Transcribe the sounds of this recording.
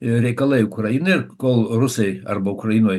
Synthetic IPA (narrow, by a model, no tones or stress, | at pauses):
ɾʲɛɪkɐlˠɐɪʊkɾɐjɪnɐɪrkoːlˠrʊsɐɪɐrbɐʊkɾɐjɪnoːj